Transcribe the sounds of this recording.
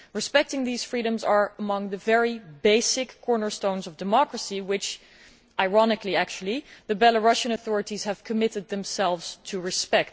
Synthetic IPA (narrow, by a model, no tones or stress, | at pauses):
ɹɨspɛk̚tɪ̃ŋðiz̥fɹiɾə̃mzə˞əmʌ̃ŋðɨvɛɹibeɪsɪkʰːɔɹnə˞stõʊ̃nzʌvdɨmɑkɹəsiwɪt͡ʃ | ʔaɪɹɑnɨkliæk̚t͡ʃul̩ˠiðɨbɛlˠəɹʌʃɨ̃nəθɔɹɨɾiz̥hɨv̥kʰɨmɪɾɨd̪̚ðɨ̃msɛlˠvz̥tʰɨɹɨspɛk̚t